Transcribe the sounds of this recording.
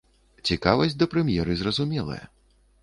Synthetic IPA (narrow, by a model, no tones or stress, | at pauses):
t͡sʲikavɐsʲd̪ɐpɾɛmʲjɛɾɨzrɐzumʲɛlˠɐ̰jɐ̰